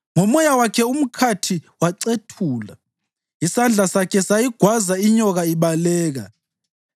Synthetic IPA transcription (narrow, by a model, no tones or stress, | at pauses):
ŋɔmɔjawakʰɛum̩kʰatʰiwaǀetʰuːla | isand͡ɮʱasakʰɛsajiɡ̥ʱwazaiɲɔɣaiβalɛːɣa̰